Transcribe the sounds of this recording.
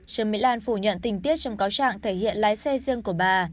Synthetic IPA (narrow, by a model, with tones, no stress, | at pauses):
t͡ɕə˨˧˦ŋmḭ˧˥laː˧˩nfu˧˩ɲə̰˧˨nt̪ï˨˩ŋ̟t̪i˦˥ət̚t͡ɕɔ˧wŋ͡mkaː˨˦wt͡ɕa̰ː˧˨ŋt̪ʰe˧˩hḭ˧˨ənlaː˨˦jsɛ˧zɨ˧əŋku˧˩əɓaː˨˩